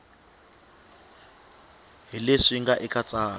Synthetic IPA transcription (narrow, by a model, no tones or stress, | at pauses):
ɦileʂiŋɡaʔikʼat͡sʼaːl